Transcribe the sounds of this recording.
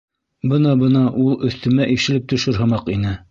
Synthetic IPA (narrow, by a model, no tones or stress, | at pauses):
bɤnɑbɤnɑʔulˠɵ̆θt̪ɵ̆mæʔiʃɘ̆lɘp̚t̪ɵ̆ʃɘɾɦɤ̆mɑqinɘ